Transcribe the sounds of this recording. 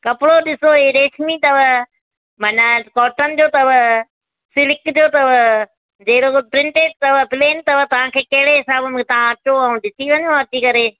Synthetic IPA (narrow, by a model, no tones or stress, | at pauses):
kɐpɽoɗɪsoɦiɾeːʃmit̪ɐʋə | mɐ̃nakɔːʈənɪ̆d͡ʑoːt̪ɐʋə | sɪlɪkd͡ʑoːt̪ɐʋə | d͡ʑɐɦɪɾopɾɪ̃ɳʈeːʈ̚t̪ɐʋəpleːnt̪ɐʋət̪ɐʋ̤ãkʰeːkɐɦɪɽeɦɪsaːbəmt̪ɐʋ̤ãɐt͡ʃoɐũɗɪsʰiʋɐɲõɐt̪ikɐɾeː